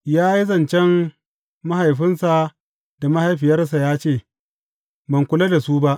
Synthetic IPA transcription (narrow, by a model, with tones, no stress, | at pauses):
jaː˦ji˦zɐ˨nt͡ʃɛ˦m | ma˦ɦa˨jɸɪ˦nsa˨ | d̥a˨ma˦ha˨jɸɪ˨jɐ˦rs̬a˨jaː˦t͡ʃeː˦˨ | bɐ˨ŋkʷʊ˦la˦da˨su˦ba˦ʔ